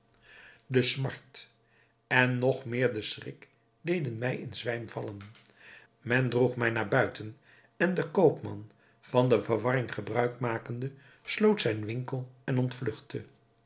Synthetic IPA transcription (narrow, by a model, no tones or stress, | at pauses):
dəsmɑ̰ɹt | ɛnːɔχmɪːɹdəsrɪ̰k | dejdənmɛjɪ̰nzʋɛjmv̥ɑlən | mɛndruχmɛjnaːɹbœɥtən | ɛndəkowpmɑ̰n | v̥ɑndəvəɹʋɑrɪŋχəbrœɥkmaːkəndə | slowtsɛjnʋɪŋkəlˠɛnɔntflɵχtə